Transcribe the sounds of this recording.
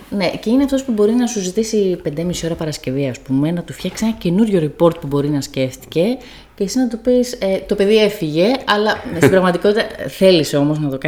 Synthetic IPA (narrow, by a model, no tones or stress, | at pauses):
ne̞ceineɐft̪ospubo̞ɾinɐsuzit̪isipe̞nd̪emisio̞ɾɐpɐɾɐsce̞viɐspume̞nɐt̪ufçɐksienɐce̞nuɾʝo̞ɾipo̞ɾt̪̚pubo̞ɾinɐsce̞ft̪i̥ce̞ | cesiznɐt̪upiset̪o̞pe̞ðie̞fiʝe̞ɐlɐsibɾɐɣmɐt̪iko̞t̪it̪ɐθe̞liseo̞mo̞znɐt̪o̞kɐ